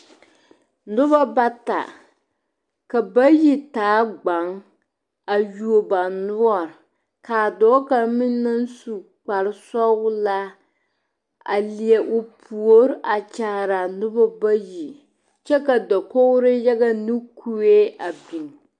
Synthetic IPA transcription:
nʊ˦ba˦ba˦ta̰˨ | ka˨ba˦ji˦taː˨˦ɡ͡ba˨ŋ | a˨ju˨o˨ba˨nʊ˦ɔ˨ɾ | kaː˨dɔː˦ka˨mɪ˦nː˦a˦n˦su˨ | k͡pa˨ɾɨ˦sɔ˦la˦ | a̰˨li˨ɛ˨ʔo˨pʰu˨o˦ɾʔa˨t͡ʃa˦ɾa˨nʊ˦ba˦ba˦ji˨ | t͡ʃɛ˦ka˨da˨ko˦ɾɨ˦ja˦ɡa˦nɨ˦kʰu˦e˦a˨bi˨ŋ

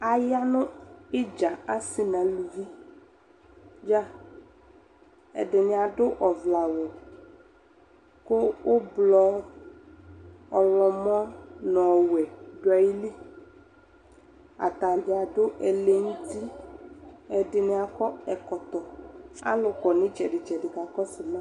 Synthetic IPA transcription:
a˨ja˦nʊ̃˦ɪ˦d͡ʒa˨a˦sɪ˨nã˨lu˨vi˦ | d͡ʒa˦ | ɛ̰˨dɪ˨nɪ̃˨a˨dʊ˦ʔɔ˨vla˨wɔ˨ | kʊ˦wʊ˦blɔ˦ | ɔ˨lɔ˨mɔ̃˦nɔ̃˨wɛ˨ɖʊ˨˦a˨ji˦li˦ | a̰˨t̪a˨dɪ˨a˨ɖʊ˦ʔɛ˨le˦ŋũ˦t̪i˦ | ɛ˨dɪ˨nɪ̃˦a˨kɔ˦ɛ˨kɔ˨t̪ɔ˨a̰˦lʊ˨kɔ˨nɪ̃˦d͡ʒɛ˨ɖɪ˨d͡ʒɛ˨dɪ˨ka˨kɔ˦sɪ˨mã˦

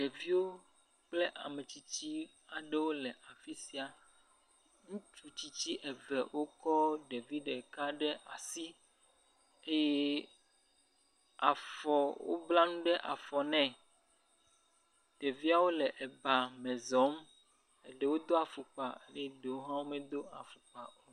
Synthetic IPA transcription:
ɖɛ˨vi˦wo˦ | k͡ple˦ʔa̰˨me˨t͡ɕi˦t͡ɕi˦ | a˨ɖɛ˦wo˦lɛ˨ʔa˨fi˦si˦a˨ | ŋũ˦t͡ʃu˦t͡ɕi˦t͡ɕi˦ʔɛ˨vɛ˨wo˦kɔ˦ɖe˨vi˦ɖe˨ka˦ɖɛ˦ʔa̰˨si˦ | e˦je˦ | a˨fɔ˨wo̰˦bla˦nũ˦ɖɛ˦ʔa̰˨fɔ˨nɛ̃˨ | ɖ̥e˨vi˦a˦wo˦lɛ˨ʔɛ˨ba˨mɛ̃˨zɔ˦m | ɛ˨ɖɛ˦wo˦d̪o˦a˨fu˨k͡pa˨˦nɛ˦ɖe˨wo˦ɦã˦wo˦mɛ˨d̪o˦a˨fu˨k͡pa˨o˦

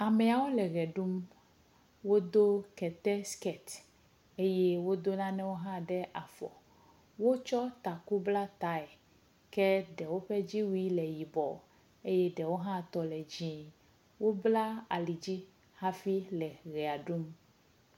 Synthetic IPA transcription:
a˨mɛ˨a˨wo˦lɛ˨ɣɛ˨ɖu˦m | wo˦d̪o˦kɛ˨t̪ɛ˦skɛ˨t̪ | e˦jɛ˦wo˦d̪o˦nã˦nɛ̃˦wo˦ɦã˦ɖɛ˦ʔa˨fɔ̰˨ | wo˦t͡ʃɔ˦t̪a˨ku˦bla˦t̪a˨˦ɛ˨ | kɛ˦ɖɛ˨wo˦ɸɛ˦d͡ʑi˦wu˦i˦lɛ˨ji˨bɔ˨ | e˦jɛ˦ɖɛ˨wo˦ɦã˦t̪ɔ˨lɛ˨d͡ʑĩ˦ | wo˦bla˦a˨li˨d͡ʑi˦ | ha˦fi˦lɛ˨ɣɛ˨a˨ɖu˦m

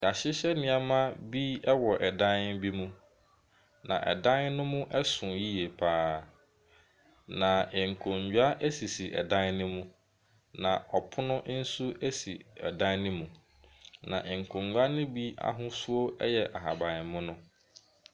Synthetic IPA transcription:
a˨ɕɪ˦ɕɛ˦nɪ̃˨˦a˨mã˦bi˦ɛ˦wɔ˨ʔɛ˨dã˦n˦bi˦mũ˦ | nã̰˨ʔɛ̰˨dã˦nnʊ̃˦mʊ̃˦ʔɛ˦sʊ̃˨ji˦je˨pʰaː˦ | nã˨ɪ˨ŋ̩˨kʰʊ̃˨ɲd͡ʑᶣa˦ʔɛ˦si˨si˨ʔɛ̰˨dã˦nnʊ̃˦mũ˦ | nã˨ʔɔ˨pʰʊ˦nʊ̃˦ʔn̩˦su˦ʔɛ˦si˨ɛ̰˨dã˦nnɪ̃˦mũ˨ | nã̰˨ʔɪ̃˨ŋ̩˨kʰʊ̃˨ŋɡa˦nʊ̃˦bi˦a̰˨ɦʊ̃˦sʊ˦o˦ɛ˦jɛ˨ʔa˨ɦa˨bã˨mʊ̃˦nʊ̃˦

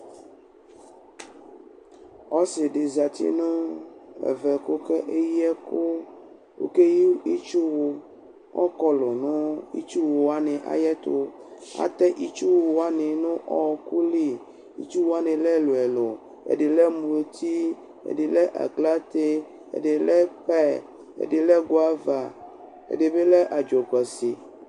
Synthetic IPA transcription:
ɔ˦se˨ɖe˨za˨t̪ḭ˦nõ˦ḛ˨vɛ˨ko˦ke˦ʔe˦ji˦ɛ˦ko˦ | wo̰˦ke˦ji˦i˦t͡ʃu˦wo˨ | ʔɔ̰˦kɔ˦lo˨nõ˦ḭ˦t͡ʃu˦wo˨a˦nɛ̃˨ʔa̰˨jɛ˦t̪o˦a̰˨t̪ɛ˦ʔi˦t͡ʃu˦wo˨˦a˦nẽ˨nõ˦ʔɔ˨ku˦li˦ | ḭ˨t͡ʃu˦wo˦a˦nẽ˨lɛ˦lo˨ɛ˨lo˨ | ḛ˨ɖe˨lɛ˦mu˨lo˨t̪ʰi˦ | ḛ˨de˨lɛ˦ʔa̰˨ɡla˦t̪e˦ | ḛ˨de˨lɛ˦ɸɛ˦ | ḛ˨de˨lɛ˦ɡo˦a˦va˨ | ḛ˨de˨be˦lɛ˦ʔa˨d͡ʒo˨k͡pɛ˨si˨

